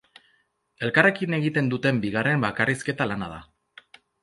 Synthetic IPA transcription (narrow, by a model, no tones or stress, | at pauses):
e̞lkare̞kine̞ɣit̪e̞nd̪ut̪e̞mbiɣ̞are̞mbakariske̞t̪alanað̞a̰